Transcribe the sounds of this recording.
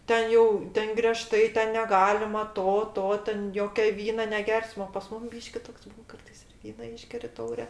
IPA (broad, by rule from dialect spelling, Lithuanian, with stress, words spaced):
ˈtʲɛn jɛʊ ˈtʲɛn ɡrʲɛˈʃtɐɪ ˈtʲɛn nʲɛˈɡɑːlʲɪmɐ ˈtoː ˈtoː ˈtʲɛn ˈjoːkʲɛ ˈʋʲiːnɐ nʲɛˈɡʲɛrsmɐ oː pɐs ˈmʊm ˈbʲiːʃʲkʲɪ ˈtoːks ˈbuːn ˈkɐrtɐɪs ɪr ˈʋʲiːnɐ ˈiːʒʲɡʲɛrʲɪ ˈtɐʊrʲɛ